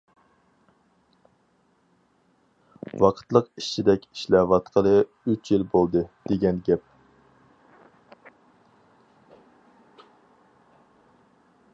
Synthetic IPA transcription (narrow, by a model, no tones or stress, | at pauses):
wɑqʰə̥t̪lˠəqi̥ʃt͡ʃʰid̪ɛkʲi̥ʃlɛvɑt̪qʰəlˠɨ | yt͡ʃjilbolˠd̪ɨd̪̥eɡʲɛnɡʲɛp̚